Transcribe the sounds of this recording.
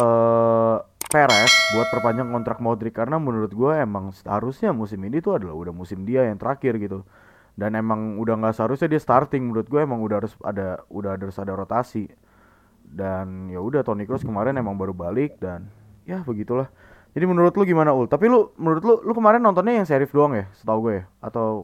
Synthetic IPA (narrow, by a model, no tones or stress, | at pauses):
əː | peɾɛsbuat̪̚pərpaɲd͡ʒaŋkɔnt̪ɾak̚modɾikːaɾənamənuɾʊt̪̚ɡuaemaŋshaɾʊsɲamusɪminit̪uadala̰hudahmusɪmdiajaŋt̪əɾakɪrɡit̪u | danemaŋudaŋɡaʔsəɦaɾʊsɲadiast̪art̪ɪŋmənuɾʊt̪̚ɡuaemaŋudaɦaɾʊsa̰daudaɦadaaɾʊsadaɾot̪asi | danjaudaht̪onikɾɔskəmaɾɛnemaŋbaɾubalɪk̚dan | jabəɡit̪ulah | d͡ʒadimənuɾʊt̪lʊɡimanaʊlt̪apilumənuɾʊt̪̬lʊlukəmaɾɛnːɔnt̪ɔnɲajaŋseɾɪfdoaŋjasə̥t̪auɡuajaat̪aw